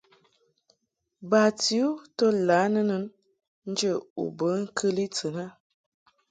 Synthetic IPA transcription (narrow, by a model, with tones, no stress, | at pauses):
ba˨ti˨˦u˦tə˦la˨˦nə˦nə˦n | n̩˦d͡ʒə˦˨ṵ˨bə˨˦ŋ̩˦kʰə˦li˦t͡sə˨na˦